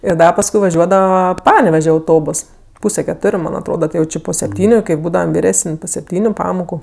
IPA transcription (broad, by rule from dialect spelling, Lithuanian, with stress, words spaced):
ɪr ˈdɐ pɐsˈkʊɪ ʋɐˈʒʲuɔdɐʋɐ ˈpɑːnʲɛʋʲɛʒʲɛ ɐʊˈtoːboːs ˈpuːsʲɛ kʲɛˈtoːrʲʊ ˈmɐnʲ ɐtˈroːdɐ ˈtɐɪ jɛʊ ˈt͡ʃʲeː poː sʲɛpʲˈtʲiːnʲʊ kɐɪ ˈbuːdɐʋɐm ʋʲɪrʲˈæːsənʲ poː sʲɛpʲˈtʲiːnʲʊ ˈpɑːmoːkʊ